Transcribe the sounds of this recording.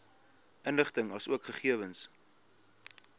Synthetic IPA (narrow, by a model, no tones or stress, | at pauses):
ənləχtəŋɐsuəkχəχiəvəns